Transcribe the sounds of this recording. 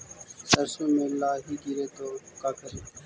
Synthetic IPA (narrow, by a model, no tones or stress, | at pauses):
səɾsõːmẽːlaːɦiːɡiɾeːt̪oːkaːkəɾeː